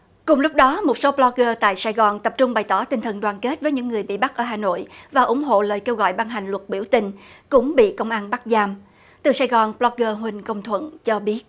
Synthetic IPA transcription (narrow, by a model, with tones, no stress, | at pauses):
kʊ˨˩ŋ͡mlʊ˦˥p̚ɗɔ˨˦mo˨˩t̚so˨˦plɔ˧˥k̚ɣəː˧t̪a̰ː˧˨jsaː˧jɣɔ˨˩nt̪ə˨˩p̚t͡ɕʊ˧ŋ͡mɓa˨˩jt̪ɔ˧˩t̪ï˨˩ŋ̟t̪ʰə˨˩nɗwaː˨˩nke˦˥t̚vəː˨˦jɲɨ̰˧˥ŋːɨ˨˩əjɓḭ˧˨ɓa˦˥k̚ʔəː˧˩˦ɦaː˨˩no̰˧˨jvaː˨˩ʔʊ˧˦ŋ͡mɦo̰˧˨ləː˨˩jke˧wɣɔ̰˧˨jɓaː˧nɦa˨˩jŋ̟lwə˨˩t̚ɓi˧˩əwt̪ï˨˩ŋ̟kʊ̰˧˥ŋ͡mɓḭ˧˨kə˧wŋ͡mʔaː˧nɓa˦˥k̚zaː˧m | t̪ɨ˨˩saː˧jɣɔ˨˩nblɔ˧k̚ɣəː˧ɦwï˨˩ŋ̟kə˧wŋ͡mt̪ʰwə̰˧˨nt͡ɕɔ˧ɓi˦˥ət̚